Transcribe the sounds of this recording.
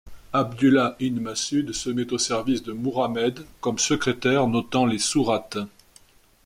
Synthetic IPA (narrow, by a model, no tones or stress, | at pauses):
abd̪ylaʔinmasyd̪səmɛt̪osɛʁvisd̪əmuʁamɛd̪kɔmsəkχet̪ɛʁnɔt̪ɑ̃lesuʁat̪